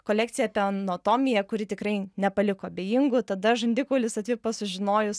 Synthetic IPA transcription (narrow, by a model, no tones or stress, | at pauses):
koːlʲæːk̚tsʲɪjɛɐpʲɛɐnoːt̪oːmʲɪjɛkʊɾʲɪt̪ʲɪkrɐɪnʲɛpɐlʲɪkoːɐbʲeːjɪŋɡʊt̪ɐd̪ɐʒɐnʲd̪ʲɪkoːlʲɪsɐt̪ʲʋʲɪpɐsʊʒʲɪnoːjʊs